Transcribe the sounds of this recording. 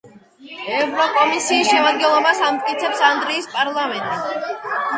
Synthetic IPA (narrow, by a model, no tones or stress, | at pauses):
ɛvɾɔkʼɔmisiːsʃɛmad̪̚ɡɛnlˠɔbasamt̪ʼkʼit̪sʰɛpsand̪ɾiːspʼaɾlˠamɛnt̪ʼi